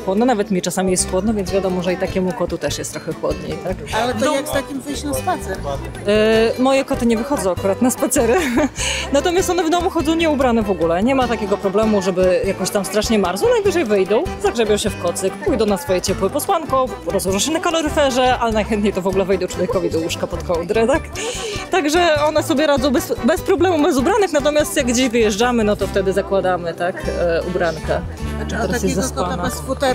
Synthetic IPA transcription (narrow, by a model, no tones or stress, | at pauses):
xwɔd̪nɔnavɛt̪mʲit͡ʂasamʲijɛst̪xwɔd̪nɔvʲjɛnzvʲjad̪ɔmɔʐɛit̪akʲɛmukɔt̪ut̪ɛʂjɛst̪ːɾɔxɛxwɔd̪ɲḛjt̪akalɛnɔjakft̪akʲimvɘɕnaspat̪sɛɾ | mɔjɛkɔt̪ɘɲɛvɘxɔd̪zɔw̃akuɾat̪naspat̪sɛɾɘnat̪ɔmʲjast̪ɔnɛvnɔvuxɔdzɔ̃w̃ɲɛubɾanɛvɔɡulɛɲɛmat̪akʲɛɡɔpɾɔblɛmuʐɛbɘjakɔɕt̪amst̪ɾaʂɲɛmaɾzɔwnajɡvɘʐɛjvɛjd̪ɔ̃w̃zaɡʐɛbʲjɔ̃w̃ɕɛfkɔt̪sɨkpujd̪ɔ̃w̃nasfɔjɛt͡ɕɛpwɛpɔswankɔɾɔzwɔʐaɕɛnakɔlɔɾɨfɛʐɛalɛnajxɛnt̪ɲejt̪ɔvɔɡulɛvɛjd̪ɔt͡ʂwɔvʲjɛkɔvʲid̪ɔwuʂkapɔt̪kɔwd̪ɾɛt̪akt̪aɡʐɛɔn̪ɛsɔbʲjɛɾad̪zɔ̃w̃bɛsbɛspɾɔblɛmubɛzubɾanɛknat̪ɔmʲjast̪jaɡ̚ɡd͡ʑeʑvɘjɛʐd͡ʐamɘnɔt̪ɔft̪ɛd̪ɘzakwad̪amɘt̪akṵbɾankɛt͡ʂɛt̪ɛɾajɛsɛsanasfut̪